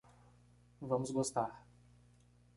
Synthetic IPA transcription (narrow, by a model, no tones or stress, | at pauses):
vɐ̃mʊzɡost̪aɾ